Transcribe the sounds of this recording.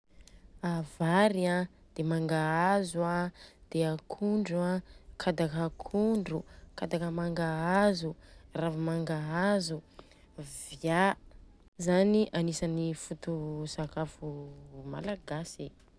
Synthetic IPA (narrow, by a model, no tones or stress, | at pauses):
avaɾia | d̪̥emaŋɡaazuad̪̥eakʰuɳɖ͡ʐuakʰad̪akakʰuɳɖ͡ʐukad̪akəmaŋɡaazuravimaŋɡaazu | via | zaniʔanisanifut̪usakafuma̰laɡasi